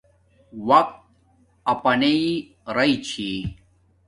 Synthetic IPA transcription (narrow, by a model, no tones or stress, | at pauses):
wɐk̚t̪̚ | ɐpɐnei | ɾɐit͡ɕʰi